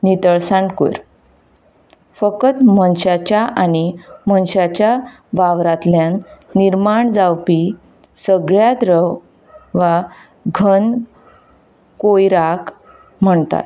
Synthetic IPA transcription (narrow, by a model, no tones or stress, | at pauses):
nit̪əɭsãɳkṵɾ | fəkət̪mənɕat͡ɕjaʔanimənɕat͡ɕja | ʋaʋɾat̪ljãnːiɾmaɳd͡zawpi | səɡɭjat̪ɾəw | ʋa | ɡʱən | kojɾak | m̤əɳt̪a̰t̪